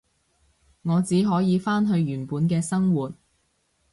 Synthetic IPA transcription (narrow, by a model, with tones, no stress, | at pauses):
ŋɔː˨˧t͡siː˨˥ɦɔː˨˥jiː˨˧faː˥nɦɵ˧ɥjyː˨˩npuː˨˥nkɛː˧sɐ˥ŋwuː˨˩t̚